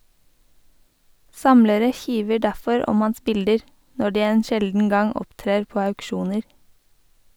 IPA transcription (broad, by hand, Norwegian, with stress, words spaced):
ˈsɑmləɾə ˈçiːʋə ˈɖæfɔɹ ˈɔm ˈɑns ˈbɪldəɾ ˈnɔ ˈɖiː ˈeːn ˈʃɛldn̩ ˈɡɑŋ ˈɔptɾeːɹ ˈpoː ɑʉkˈʃuːnəɾ